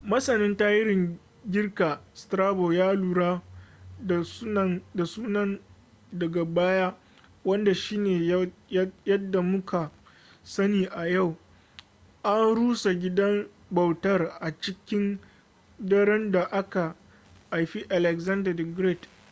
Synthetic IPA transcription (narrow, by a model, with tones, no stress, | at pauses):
mɐ˦sɐ˨nɪ˦ntaː˦jɪ˦ɾɪ˨ŋ | ɡʲɪ˦rkaː˨stɾaː˦bo˨jaː˦luː˨ɾaː˦˨˦ | da˨suː˦nɐ˦n | dɐ˨ɡa˨baː˦jaː˦ | wɐ˦nda˨ʃiː˦neː˨˦jɐ˦dːa˨mʊ˦kʰa˨ | sɐ˦niː˨ʔa˨ja˦˨w | ʔa˦nɽuː˦sa˨ɡʲɪ˦dɐ˦m | bɐ˨wtɐ˦rʔa˨t͡ʃɪ˦kʲɪ˦n | dɐ˦ɽɛ˦nda˨ʔa˦ka˨ | ʔa˨jɸi˦ʔa˨lɛ˨ɡzɐ˦ndɐ˨dɡɾe˦˨t